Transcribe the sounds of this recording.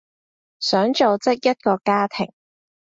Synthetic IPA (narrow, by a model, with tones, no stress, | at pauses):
sœː˨˥ŋt͡ʃo˨wt͡sɪ˥k̚jɐ˥t̚kɔː˧kaː˥t̪ʰɪ˨˩ŋ